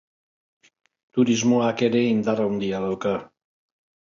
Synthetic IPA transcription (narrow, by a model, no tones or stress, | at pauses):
t̪uɾizmuakeɾeind̪aɾaund̪ialəlka